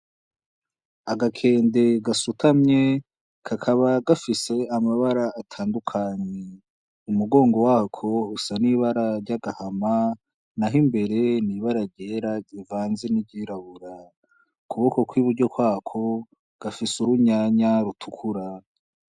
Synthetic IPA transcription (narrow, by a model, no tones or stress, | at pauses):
aɡakʰe̞ːnde̞ɡasutʰamɲe̞ | kʰakʰaβaɡafise̞amaβaɾaːtʰaːndukʰaɲe | umuɡo̞ːŋɡo̞wakʰo̞usaniβaɾaɾɟaɡahama | naɦimbe̞ɾe̞niβaɾaɾɟeːɾaɟivaːnzeniɟiːɾaβuɾa | kʰuβo̞ko̞kwiβuɾɟo̞kwaːkʰo̞ | ɡ̥afisuɾuɲaɲaɾutʰukʰuɾa